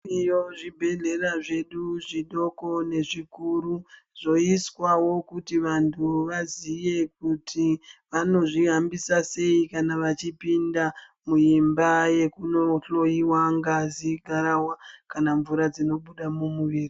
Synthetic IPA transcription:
ijoʐibʱe̞ɮe̞raʐe̞ɗuʐiɗo̞ko̞ne̞ʐikuɾu | ʐ̥o̞iswawo̞kutiʋantʰuʋazije̞k̚utʰiʋano̞ʐiɦambisase̞ikanaʋat͡ʃipinda | muimbaje̞kuno̞ɬo̞jiwaŋɡaziɡʱaɾawakanaɱvuɾad͡zino̞ɓuɗamumuʋiːri

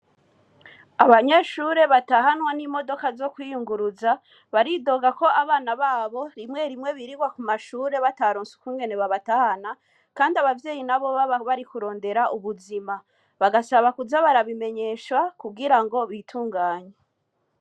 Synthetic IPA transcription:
aβaɲeʃuɾe̞βataɦanwanimo̞do̞kazo̞kwiːjuŋɡuɾuza | βaɾido̞ɡako̞ʔaβaːnaβaːβo̞ɾimŋe̞ɾimŋe̞βiɾiɡwakumaʃuːɾe̞βataɾoːnsu̥kuːŋɡe̞ne̞βaβatahana | kaːndiaβavje̞ːjinaβo̞βaβaβaɾikuɾo̞ːnde̞ɾaʔuβuzima | βaɡasaβakuzaβaɾaβime̞ɲe̞ʃwakuɡiɾaŋɡo̞βitʰuːŋɡaːɲe

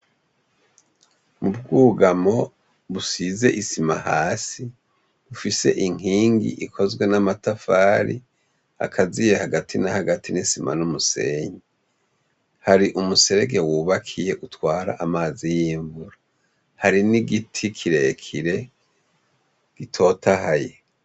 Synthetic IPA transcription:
mub̚ɡuːɡamo̞ | βusize̞ʔisimahaːsi | βufise̞̰ʔiŋ̥iːŋɡḭʔikʰo̞zɡwe̞namatafaːɾḭ | a̰kʰazijehaɡatʰinahaɡatʰinisima̰numuse̞̰ːɲe | haɾiʔumuse̞ɾeɡe̞wuːβakʰije̞ʔutwaːɾa̰ʔamaːzijiːɱvuɾa | haɾiniɡitʰikʰiɾe̞kʰiɾe̞ | ɡ̥itʰo̞tʰahaje

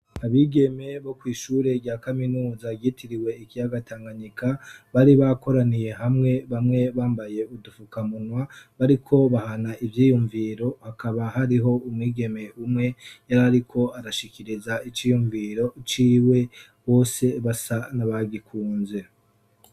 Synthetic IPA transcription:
aβiːɡe̞me̞βo̞kwiːʃuɾe̞bɟaːkaminuːzaɡitʰiɾiwe̞ikijaɡataːŋɡaɲikʰaβaɾiβako̞ɾanije̞ɦamŋe̞βamŋe̞βaːmbaje̞udufukamunwaβaɾikʰo̞βahanaʔivjiːjuɱviːɾo̞hakʰaβaɦaɾiɦo̞umwiːɡe̞me̞umŋe̞jaɾaɾikʰo̞aɾaʃiciɾizait͡ʃiːjuɱviːɾo̞t͡ʃiːwe̞ | βo̞ːse̞βasanaβaɡikʰuːnze̞

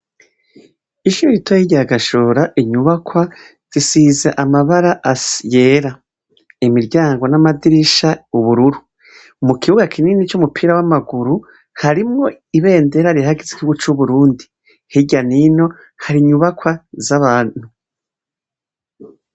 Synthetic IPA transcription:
iʃuɾoɾitʰohiɟaaɡaʃoːɾaʔiɲuβakʰwa | z̥isiːzaʔamaβaɾaʔasjeːɾa | imiɾɟaːŋɡwonamadiɾiʃauβuɾuɾu | mukʰihuɡakʰiniːnit͡ʃumupʰiːɾawamaɡuɾu | haɾimŋo̞ | iβe̞ːnde̞ɾaɾiahaɡeziɡihuɡut͡ʃuβuɾuːndi | hiɟanino̞ | haɾiɲuβakwazaβaːn̥hu

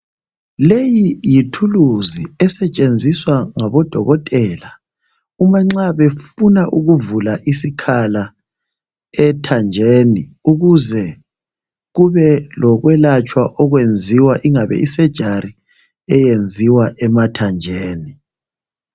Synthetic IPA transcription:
lejijitʰuluziɛsɛt͡ʃʼend͡zʱiswaŋaβɔd̥ʱɔɣɔtʼɛla | umaŋ͡ǀaβefunaʔuɣuvulaʔisikʰala | ɛtʰand͡ʒʱeːniuɣuzɛ | ɣuβɛlɔɣwɛlat͡ʃʼwaʔɔɣwend͡zʱiwaʔiŋaβɛ̰ʔisɛd̥ʒ̥ʱaɾi | ɛjend͡zʱiwaʔɛmatʰand͡ʒʱeːni

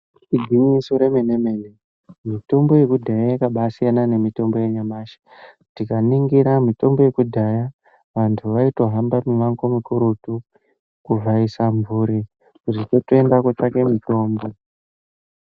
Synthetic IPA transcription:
iɡʱiɲisoɾe̞meneme̞ne | mito̞mbo̞je̞kudʱajajikaɓasijanane̞mito̞mbo̞je̞ɲamaːʃḁ | tikaniŋɡiɾamito̞mbo̞je̞kudʱaja | ʋantʰuʋaito̞ɦambamiʋaŋko̞mikuɾutu | kuvʱaisaɱvuːɾi | kutitotoendaket͡ʃake̞mito̞ːmbo̞

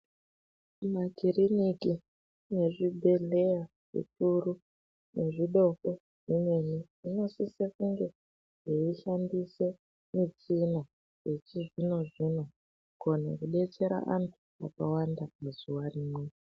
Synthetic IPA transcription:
maɡʱiriniki | ne̞ʐibʱe̞le̞ja | ʐ̥ḭturu | ne̞ʐiɗo̞ko̞ | ʐimwe̞ni | ino̞sisekuŋɡe̞ | ʐeiʃandise̞ | mit͡ʃina | jet͡ʃiʐino̞ʐino̞ | konḛkuɗe̞t͡se̞ɾa̰ʔantʰu̥akawandamezuwariːmwe

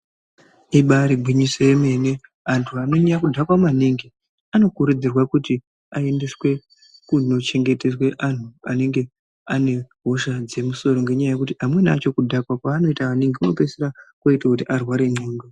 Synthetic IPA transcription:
iɓaɾiɡʱwiɲiseːme̞ne̞ | antʰuano̞ɲejakudʱakwamwaneŋɡi | ano̞kuɾud͡zirwakuti | ae̞nde̞swe̞ | kuno̞t͡ʃe̞ŋɡe̞te̞swe̞ʔan̤uane̞ŋɡe̞ | ane̞ɦo̞ʃad͡ze̞muso̞ɾo̞ŋɡe̞ɲajaje̞kutiamwe̞nat͡ʃo̞kudʱakwakwaːno̞itaʋaneŋɡeonopeseɾakoitakutiʔarwaɾe̞ɲoːŋɡa

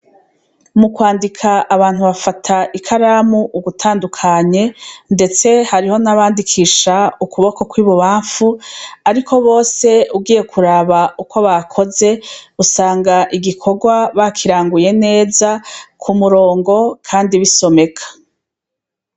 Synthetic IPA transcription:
mukwaːndikʰaʔːβaːn̥huβafatʰaʔikʰaɾaːmuʔːɡutʰaːndukʰaɲe̞nde̞t͡se̞haɾiho̞naβaːndikʰiːʃaukuβo̞ko̞kwiːβoβaːɱfuaɾikʰo̞βo̞ːse̞uɡiːje̞kʰuɾaːβauko̞βakʰo̞ze̞usaːŋɡaʔiɡikʰo̞ɡwaβakʰiɾaːŋɡuje̞ne̞ːzakʰumuɾo̞ːŋɡo̞kʰaːndiβiso̞me̞kʰḁ

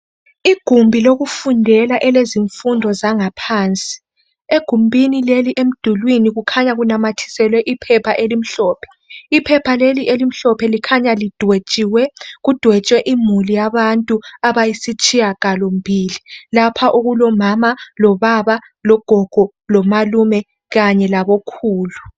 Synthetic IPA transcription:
iɡ̥ʱumbʱiloɣufundʱɛlaʔɛleziɱfundʱɔzaŋapʰaːnt͡sʼi̥ | eɡ̥ʱumbʱinileliʔem̩d̥ʱulwiniɣukʰaɲaɣunamatʰi̥sɛlwɛʔipʰɛpʰaʔelim̩ɬɔːpʰɛ̥ | ipʰɛpʰaleliʔelim̩ɬɔpʰɛlikʰaɲalid̥ʱwet͡ʃʼiwɛɣud̥ʱwɛt͡ʃʼwɛʔimulijaβantʼuaβajisit͡ʃʼijaɣalom̩bʱiːlilapʰaʔuɣulɔmamalɔβaβa | lɔɡ̥ʱɔɡ̥ʱɔ | lɔmalumɛ | ɣaɲɛlaβokʰuːlu

